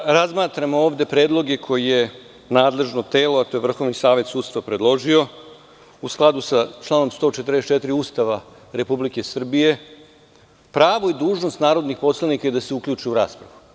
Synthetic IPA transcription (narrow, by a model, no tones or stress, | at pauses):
ɾazmaːt̪ɾamooːʋd̪e̞pɾe̞ːd̪lˠo̞ɡe̞kʰo̞jije̞ | naːd̪le̞ʒno̞t̪eːlo̞at̪o̞jevr̩xo̞ʋnisaːʋe̞t̪suːd̪st̪aʋapɾed̪lˠo̞ʒio̞ | usklˠad̪usat͡ʃlˠaːno̞mst̪o̞ːt͡ʃet̪ɾ̩d̪est͡ʃet̪ɾiuːst̪aʋa | ɾe̞publike̞sr̩bije̞ | pɾaːʋo̞id̪uːʒno̞st̪naːɾo̞d̪nixpo̞slanikajed̪aseukʎuːt͡ʃiuɾaːspɾaʋu